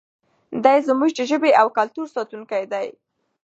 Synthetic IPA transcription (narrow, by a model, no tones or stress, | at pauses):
d̪ɑjzəmuʒd̪əʒəbeʔawkalt̪uɾsɑt̪uŋkajd̪aj